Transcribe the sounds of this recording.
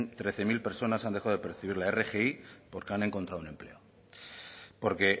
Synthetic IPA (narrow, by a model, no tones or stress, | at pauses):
nt̪ɾe̞θe̞milpe̞ɾso̞nasand̪e̞xaðepeɾθiβ̞iɾlaere̞xeipo̞ɾkeane̞ŋko̞nt̪ɾaðune̞mple̞̰o | po̞ɾke̞